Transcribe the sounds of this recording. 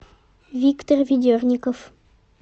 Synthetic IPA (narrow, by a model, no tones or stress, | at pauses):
vʲikt̪orvʲɪd̪ʲørnʲɪkof